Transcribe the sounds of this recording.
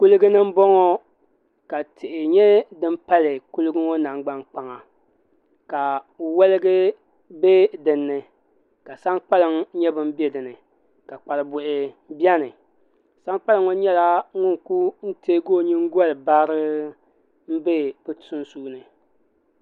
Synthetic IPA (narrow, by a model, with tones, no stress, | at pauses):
ku˦lɨ˦ɡɨ˦nɨ˦m̩˦bɔ˦ŋɔ˦ | ka˨tʰɪ˨ʔɪ˨ɲɛ˦dɨ˦m˦pa˦lɨ˨ku˦lɨ˦ɡɨ˦ŋɔ˦na˨ŋ˦ɡ͡ba˦ŋk͡pa˨ŋa˨ | ka˨ | wɛ˦lɨ˦ɡɨ˦ | be˦dɨ˨nːɨ˨ | ka˨sa˦ŋk͡pa˦lɨ˨ŋɲɛ˦bɨ˦m̩˦bɛ˦dɨ˨nɨ˨ | ka˨k͡pa˨lɨ˨bʊ˨ʔɪ˨ | bjɛ˦nɨ˨ | sa˦ŋk͡pa˦lɨ˦ŋɔ˦ɲɛ˦la˦ŋʊ˦ŋku˦n̩˦teː˦ɡoː˦˨ɲi˦ŋ˦ɡɔ˦lɨ˨baː˦ɾɨ˦ | m̩˦be˦pɨ˦tʰu˦nsuː˦nɨ˨